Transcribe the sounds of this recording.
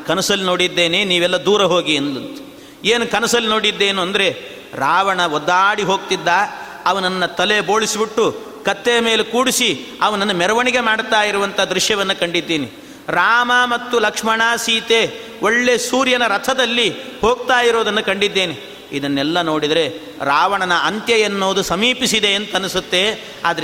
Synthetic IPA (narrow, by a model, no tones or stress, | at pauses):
kɐnɐsɐlːino̞ːɽid̪ːeːniniːʋɛlːɐd̪uːɾɐɦo̞ːɡiend̪ɐnt̪ | eːnukɐnɐsɐlːino̞ːɽid̪ːe̞ːnuɐnd̪ɐɾe̞ | ɾaːʋɐɳɐɔd̪ːaːɽiɦoːɡ̚t̪id̪ːɐ | ɐʋɐnɐnːɐt̪ɐle̞bo̞ːɭisibiʈːu | kɐt̪ːeɐme̞ːlekuːɽisi | ɐʋɐnɐnːɐmɛɾɐʋɐɳiɡemaːɽt̪aːjiɾuʋɐnt̪ʰad̪ɾiʃjɐʋɐnːɐkɐɳɖid̪ːiːni | ɾaːmaːmɐt̪ːulɐkʂmɐɳaːsiːt̪e̞ | oɭːe̞suːɾjɐnɐɾɐt̪ʰɐd̪ɐlːihoːɡ̚t̪aːjiɾo̞ːd̪ɐnːɐkɐɳɖid̪ːe̞ːni | id̪ɐnːɛlːɐno̞ːɽid̪ɐɾe̞ | ɾaːʋɐɳɐnɐɐnt̪jɐjɐnːoːd̪usɐmiːpisid̪e̞ːnt̪ɐɐnisut̪ːe̞ | a̰ːd̪ɐɾe